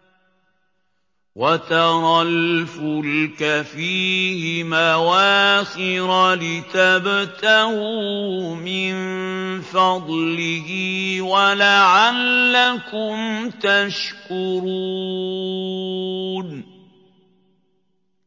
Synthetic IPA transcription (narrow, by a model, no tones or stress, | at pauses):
wat̪aɾˤɑlfʊlkafiːhɪmawaːxɪɾalɪt̪abt̪ahuːmɪnfɑd̪ˤlɪhɪwalaʕalːakʊmt̪aʃkʊɾu | n